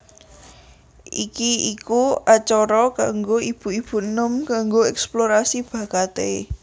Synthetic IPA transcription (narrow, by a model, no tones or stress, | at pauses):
ʔikiikuat͡ʃɔɾɔkaŋɡoib̥ṳib̥ṳnəmkaŋɡoɛksploɾasib̥a̤kat̪e